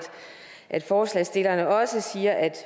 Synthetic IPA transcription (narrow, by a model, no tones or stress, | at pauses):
d̥ | ʔæd̥fɒːslɛsd̥e̝lɐnəɒ̽səsiːɐʔæd̥